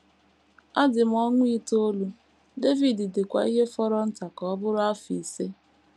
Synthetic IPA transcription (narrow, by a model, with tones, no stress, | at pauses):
a˦dɪ˨m̩˦ɔ˦ŋʷʊ˦i˦to˦lu˦ | de˦vi˨dɪ˨dɪ˨kʷa̰˨i˦ɦe˦fɔ˦ɾɔ˦n̩˦ta˨kɔ˨˦bʊ˦ɾʊ˦a˦fi˨se˦